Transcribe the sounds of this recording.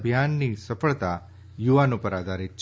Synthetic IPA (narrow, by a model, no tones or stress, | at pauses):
bʱjanːisəfʰəɭt̪a | juʋanopəɾad̪ʱaɾit̪̚t͡ʃʰ